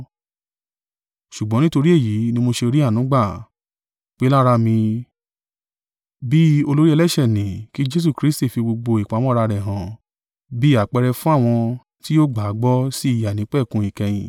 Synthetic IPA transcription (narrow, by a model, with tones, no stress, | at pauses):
ʃu˨ɡ͡bɔ̃˨˦nĩ˦to˧ɾi˦e˦˨ji˨˦nĩ˦mo˧ʃe˧ɾi˦a˦˨nũ˨˦ɡ͡ba˦˨ | k͡pe˦la˦ɾa˧mĩ˧ | bi˦o˧lo˦ɾi˦ɛ˧lɛ˦˨ʃɛ˦˨nĩ˨ki˦d͡ʒe˦s̬u˦˧kɾi˦sti˦˨fi˧bo˧ɡ͡bo˧i˨k͡pa˨˦w̃ɔ̃˦ɾa˧ɾɛ˨ɦã˨ | bi˦a˦˨k͡pɛ˧ɾɛ˧fũ˦a˦˨w̃ɔ̃˧ | ti˦jo˦ɡ͡ba˨˦ɡ͡bɔ˦si˦i˦˨ja˨nĩ˨˦k͡pɛ˦˨kũ˧˦ĩ˨kɛ˧j̃ĩ˨